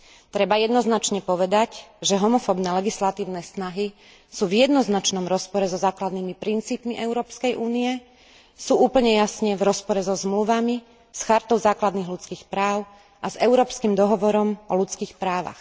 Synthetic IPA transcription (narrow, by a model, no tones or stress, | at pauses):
t̪ɾɛbajɛd̪nɔznat͡ʃɲɛpɔʋɛd̪acʒɛɦɔmɔfɔbnɛːlɛɡislat̪iːʊnɛːsnaɦi | suːvjɛd̪nɔznat͡ʃnɔmɾɔspɔɾɛzɔzaːklad̪nimipɾint͡siːpmiʔɛʊɾɔːpskɛjʔuːniɛ | suːʔuːpl̩ɲɛjasɲɛvɾɔspɔɾɛzɔzmluʋami | sxaɾt̪ɔʊzaːklad̪niːɣlut͡skiːxpɾaːʊ | ʔazɛʊɾɔːpskiːmd̪ɔɦɔʋɔɾɔmɔlut͡skiːxpɾaːʋa̰x